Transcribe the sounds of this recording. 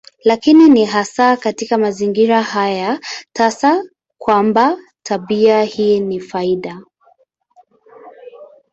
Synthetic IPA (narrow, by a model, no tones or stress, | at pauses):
lakininiɦasakatikamaziŋɡiɾahajatasa | kwamba | tʰaɓiahiːnifaiɗa